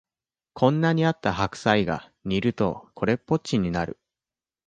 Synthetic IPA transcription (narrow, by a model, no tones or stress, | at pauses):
kʰõ̞nːaɲ̟iat̪ːaɦakɯ̟̥saiɡa̰ | ɲ̟ʲiɾɯ̟t̪o̞̰kʰo̞ɾe̞pːo̞t͡ɕiɲ̟inaɾɯ̟̰